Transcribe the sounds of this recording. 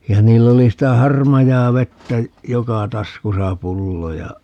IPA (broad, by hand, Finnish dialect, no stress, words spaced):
jɑ niːlː oli sitæ hɑrmɑjɑːʋetːæ jokɑ tɑskusɑ pulːo jɑ